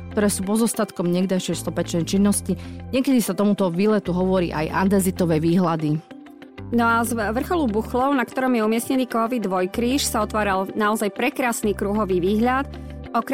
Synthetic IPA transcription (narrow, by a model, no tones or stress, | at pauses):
k̚t̪ɔɾɛːsuːpɔzɔst̪at̪kɔmɲɛɡd̪ajʃjɛjst̪ɔpɛt͡ʃnɛjt͡ʃinːɔsciɲɪɛkɛd̪isat̪ɔmut̪ɔʋiːlɛt̪uɦɔʋɔɾḭːʔa̰jʔand̪ɛzit̪ɔʋɛːʋiːɦlad̪i | nɔazʋr̩xɔlubuxlɔʊnakt̪ɔɾɔmjɛumɪɛsɲɛniːkɔɦɔʋid̪ʋɔjkɾiːʃsaɔt̪ʋaːɾalnaɔzajpɾɛkɾaːsniːkɾuɦɔʋiːʋiːɦʎat̪ | ɔk